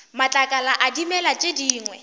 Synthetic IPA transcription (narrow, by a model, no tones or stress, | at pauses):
mat͡ɬʼakʼalaʔadimɛlat͡ʃʼediːŋwɛ